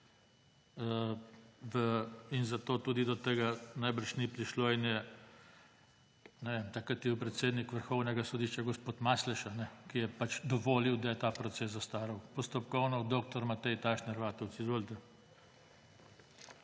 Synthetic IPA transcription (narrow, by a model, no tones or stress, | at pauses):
ə | ʋəinzat̪oːt̪uːd̪id̪ɔt̪eːɡanajbəɾʃnipɾiʃloinjɛ | nɛʋemt̪akɾat̪iwpɾɛt̪seːd̪nikʋəɾxɔwnɛɡasɔd̪iʃt͡ʃaɡɔspoːt̪maslɛʃanɛkijɛpat͡ʃd̪ɔʋoːliwd̪ajɛt̪aːpɾɔt̪seːs̬zːast̪aːɾɐwpɔst̪ɔpkɔwnɔwd̪oːk̚t̪ɔɾmat̪ɛjt̪aʃnaɾʋaːt̪ɛwt̪sizʋoːlt̪ɛ